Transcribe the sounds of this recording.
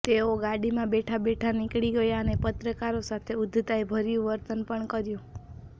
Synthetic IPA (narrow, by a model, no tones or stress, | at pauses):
t̪eoɡaɽimãbeʈʰabeʈʰanɪkɭiɡəjaənepət̪ɾəkaɾosat̪ʰeʊd̪ʱt̪aebʱəɾjũʋəɾt̪ənpəɳkəɾjũ